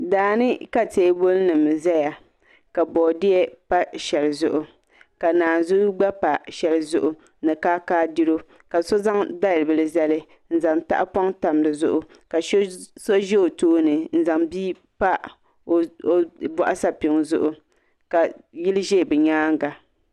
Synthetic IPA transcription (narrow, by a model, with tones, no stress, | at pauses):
daː˨nɨ˦ka˦teː˦bo˦lnɨ˨m˨za˦ja˨ | ka˨bɔː˨dɪ˦jɛ˦pa˦ʃɛ˨lzʊ˨ʔʊ˨ | ka˨naː˨n˨zʊ˦ɡ͡ba˦pa˨ʃɛ˨lzʊ˦ʔʊ˨ | nɨ˨kaː˦kaː˦di˦ɾo˦ | ka˨so˦za˦ŋda˦˨lɨ˨bɨ˨lɨ˦zɛ˦lɨ˦ | n̩˦za˨ŋta̰˦ʔa˦pɔ˦ŋta˨m˦dɨ˨zʊ̰˦ʔʊ˨˦ | ka˨ʃso˦ʒe˦o˨toː˦nɨ˨n̩˨za˨ŋbiː˦ | pa˦˨˦ | bɔ̰˦ʔa˦sa˦pɪ˨ŋzʊ̰˦ʔʊ˨˦ | ka˨jɪ˦lɨ˦ʒe˦˨bɛ˨ɲaː˦ŋ˦ɡa˨